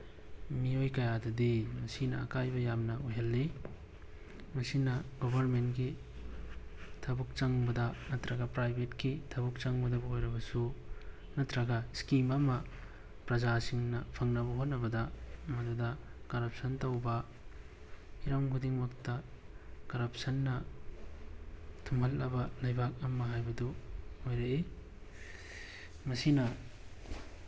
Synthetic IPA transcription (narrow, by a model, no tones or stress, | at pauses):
miojkɐjadɐdimɐsinɐ̰ːkajbɐjamnɐojɦɐlːi | mɐsinɐɡobʱɐɾmentɡi | tʰɐbuk̚t͡ʃɐŋbɐdɐnɐtɾɐɡɐpɾajbʱetkitʰɐbuk̚t͡ʃɐŋbɐdɐbɐojɾɐbɐsu | nɐtɾɐɡɐskimɐmɐ | pɾɐd͡ʒasiŋnɐpʰɐŋnɐbɐɦot̚nɐbɐdɐmɐdudɐkɐɾɐp̚sɐntɐwbɐ | iɾɐmkʰudiŋmɐktɐ | kɐɾɐp̚sɐnːɐ | tʰumɦɐlːɐbɐlɐjbak̚ɐmɐɦajbɐduojɾɐe | mɐsinɐ